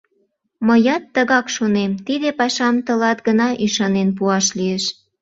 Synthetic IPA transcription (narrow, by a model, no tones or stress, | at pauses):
məjɑt̪ːəɣɑkʃonemt̪id̪epɑʃɑmt̪ə̆lɑt̪ɡənɑʔiʃɑnenp̬uɑʃlieʃ